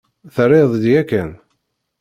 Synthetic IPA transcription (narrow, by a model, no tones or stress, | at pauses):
θərːeðˤd̪jækːæn